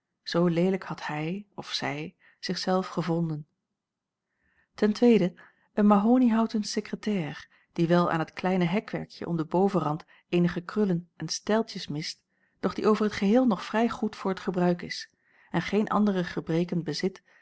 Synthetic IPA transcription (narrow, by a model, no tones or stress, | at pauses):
z̥owlejləkhɑthɛjɔfsɛj | z̥ɪχsɛlˠfχəvɔndən | tɛntʋejdə | ʔənmaɦoːniɦɑwtəntsekrətɛːr | d̥iʋɛlˠa̰ːnɦətklɛjnəɦɛkʋɛ̰ɹkjə̰ʔɔ̰mdəbowvərɑnt | ejnəχəkrɵlənʔɛnstɛlˠtjəsmɪst | d̥ɔχd̥iʔowvəɹɦətχəɦɪːlˠnɔχfrɛjχutfʊːɹətχəbrœɥkɪs | ɛnχejnʔɑ̰ndərəχəbrejkənbəzɪt